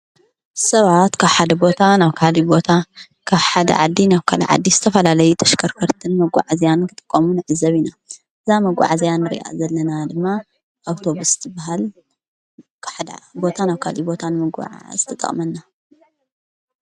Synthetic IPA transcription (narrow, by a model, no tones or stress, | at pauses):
sɐβat̪kʰaβħad̪ɐbo̞t̪ʰanaβkʰalibo̞t̪ʰa | kʰaβħad̪ɐ̰ʕad̪ːinaβkʰalɐ̰ʕa̰d̪ːizɨt̪ʰɐfɐlalɐjut̪ʰɐʃkʰɐɾkʰɐɾt̪ʰɨnmɐɡʷa̰ʕazijankʰɨt̪ʼɨ̥kʼːɐmunɨʕɨzːɐβina | ʔɨzamɐɡʷa̰ʕazijanːɨɾḭʔa̰zɐlːɐnad̪ɨmːa | ʔawt̪ʰo̞βusɨ̥t̪ʰɨbaɦal | kħad̪̰bo̞t̪ʰanaβkʰalibo̞t̪ʰanɨmɨɡa̰ʕa̰z̥ɨt̪ʰɐt̪ʼɐ̰χʼmɐnːa